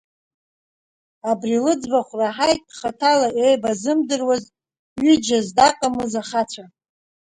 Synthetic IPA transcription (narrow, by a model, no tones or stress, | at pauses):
abrilɨd͡zbaχʷraħajtʼχatʰalaʔejbazɨmdɨrwaz | ɥyd͡ʒazdaqʼamɨzaχat͡sʷʰa